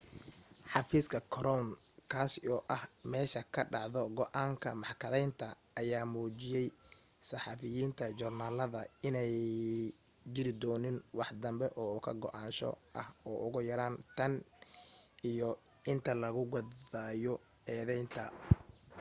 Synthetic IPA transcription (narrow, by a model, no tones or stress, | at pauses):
ħɑfiːskʰɐkʰɔɾɔn | kʰaːsɔːʔɐhmɛːʃɐkʰɐɖɑʕðɔɡɔʔaːŋkʰɐmɑħkʰɐðɛjnt̪ʰɐː | jaːmuːt͡ʃɪjɛj | sɑħɑfɪjiːnt̪ʰɐt͡ʃʊrnaːlɐðɐɪnɛj | d͡ʒɪɾɪd̪ɔːnɪnwɑħd̪ɐmbɛʔɔːʊkʰɐɡɔʔaːnʃɔ̰ʔɐhɔːʔʊɣʊjɐɾaːnt̪ʰɐn | ijɔɪnt̪ʰɐlɐɣʊɣɐaːjɔ | ɛːðɛjnt̪ʰɐ̰